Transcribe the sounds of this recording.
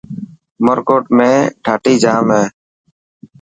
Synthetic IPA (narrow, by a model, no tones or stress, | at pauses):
məɾkoːʈ̚mẽːɖʰʱaːʈiːd͡ʒaːmɦeː